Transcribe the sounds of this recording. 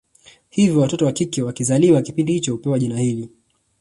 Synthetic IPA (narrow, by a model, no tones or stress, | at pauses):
hivjɔwatɔtɔwakikɛwakizaliwakipindihit͡ʃɔhupɛwaʄinahili